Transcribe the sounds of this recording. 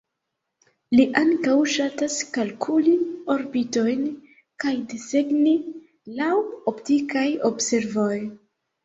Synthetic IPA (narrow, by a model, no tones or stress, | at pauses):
liʔaŋkawʃataskalkʰulio̞ɾbito̞jn | kajdeseɡni | lawoptikajo̞bse̞ɾvo̞j